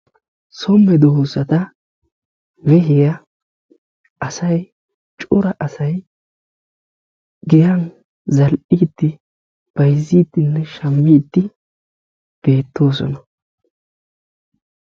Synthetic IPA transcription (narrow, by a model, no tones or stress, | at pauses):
sɔmːɛd̪ɔhosɐt̪ɐ | wɛɦɪɡɐ | ʔɐsɐj | t͡ʃʼʊɾɐʔɐsɐj | ɡɪjɐn | zɐlʔiːt̪ːɪ | b̥ɐjzːiːt̪ːɪnːɛʃɐmːit̪ːɪ | b̥e̞ːt̪ːo̞ːsɔ̰nɐ